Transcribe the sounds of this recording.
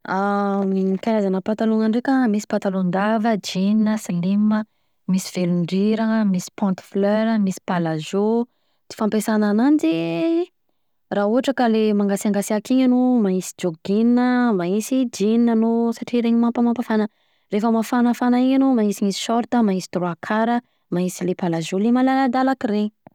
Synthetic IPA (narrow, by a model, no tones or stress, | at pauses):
amiikaɾazanəpat̪aluŋaɳɖ͡ʐekʲəmisi̥pat̪alund̪avəd͡ʒininəsalimə | misi̥v̥eluɳɖ͡ʐiɾamisi̥pɔ̃nt̪fløɾəmisi̥palazo | d̪̥i̥fampesanananid͡ʒi | rauɦaʈ͡ʂakəlemaŋɡasiaŋɡasiakiɲanomaisi̥d͡ʒoɡinnəmaisid͡ʒininanosaʈ͡ʂiɾeɲimampəmampafanə | refəmafanafanaiɲanomaisimisi̥ʃɔɾt̪əmaisi̥t̪ruakʰaɾə | maisilepalazolemalalad̪alakiɾeɲ